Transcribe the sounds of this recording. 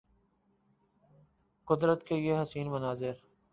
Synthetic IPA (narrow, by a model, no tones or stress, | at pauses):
kʊd̪ɾət̪keeɦəsiːnmənaːzɪɾ